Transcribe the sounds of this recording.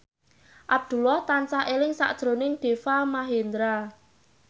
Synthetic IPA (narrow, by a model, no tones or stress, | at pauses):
ʔab̚d̪̥ṳlɔht̪ant͡ʃaʔelɪŋsa̰ʔd̥ʒ̥ɾo̤nɪŋɖ̥e̤famaɦend̪ɾa